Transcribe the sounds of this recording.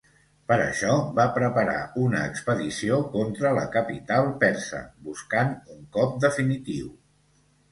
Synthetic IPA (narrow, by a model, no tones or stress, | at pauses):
pəɾə̰ʃɔβapɾəpəɾa̰unəːkspəðisiokont̪ɾələ̰kəpit̪alˠpɛɾsə̰buskanuŋkɔp̚d̪əfinit̪iw